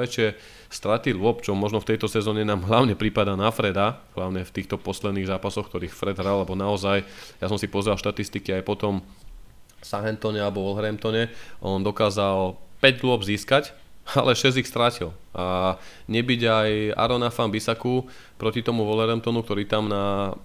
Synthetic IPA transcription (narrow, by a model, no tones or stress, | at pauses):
ɛt͡ʃɪɛ | st̪ɾat̪ilʊɔpt͡ʃɔmɔʒnɔft̪ɛjt̪ɔsɛzɔːɲɛnaːmɦlaʊɲɛpɾipad̪anafɾɛd̪aɦlaʊɲɛft̪iːxt̪ɔpɔslɛd̪niːɣzaːpasɔxk̚t̪ɔɾiːxfɾɛd̪ɦɾalːɛbɔnaɔzajjasɔmsipɔzɾalˠʃt̪at̪ist̪ikiajpɔt̪ɔm | fsaɦɛnt̪ɔɲɛalɛbɔʋɔlɦɛɾɛmt̪ɔɲɛʔɔnd̪ɔkaːzalpɛɟlʊɔbziːskac | a̰lɛʃɛzixst̪ɾacilʔaɲɛbiɟaja̰ɾɔnafanbisaku | pɾɔcit̪ɔmuʋɔlɦɛɾɛmt̪ɔnuk̚t̪ɔɾiːt̪amna